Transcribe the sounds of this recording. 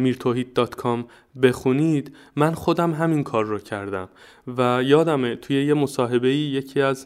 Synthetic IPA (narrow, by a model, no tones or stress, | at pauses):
miːɾt̪ʰoɦiːd̪̚d̪ɒːt̪kʰɒm | be̞xuniːd̪ | mænxo̞d̪æmɦæminkʰɒːɾːɔcʰæɾd̪æ̰m | væjɒːd̪æmet̪ʰuːje̞je̞mosɒːɦe̞be̞iːje̞cʰiːæz